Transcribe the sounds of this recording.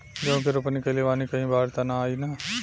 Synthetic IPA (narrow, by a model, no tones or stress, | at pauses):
d͡ʒõːk̬eɾʊpnikɐleʋaːnikɐɦĩbʱaːɾt̪anaaːinaː